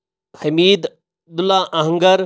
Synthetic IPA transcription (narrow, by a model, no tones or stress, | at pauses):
hɐmiːd̪ | d̪ʊlaʔɐɦə̃ŋɡəɾ